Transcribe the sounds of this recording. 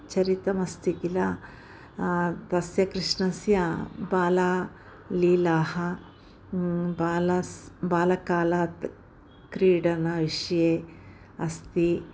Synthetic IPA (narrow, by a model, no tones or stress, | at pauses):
t͡ʃɐɾit̪ɐmɐst̪ikilɐ | t̪ɐsjɐkɾiʂnɐsjɐbaːlaː | liːlaːhɐ | baːlɐsbaːlɐkaːlaːt̪ | kɾiːɖɐnɐʋiʂɐjeː | ɐst̪i